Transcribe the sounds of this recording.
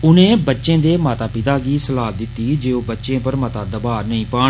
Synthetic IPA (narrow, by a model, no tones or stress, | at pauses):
ʊnẽːbətːʃẽːd̪eːmaːt̪aːpɪt̪aːɡiːsəlaːd̪ɪt̪ːiːd͡ʒeːoːbətːʃẽːpəɾmət̪aːd̪əbaːɾnəĩːpaː